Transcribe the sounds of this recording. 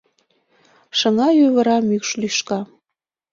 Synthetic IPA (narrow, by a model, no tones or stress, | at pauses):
ʃəŋɑjøβə̆ɾɑmykʃlyʃkɑ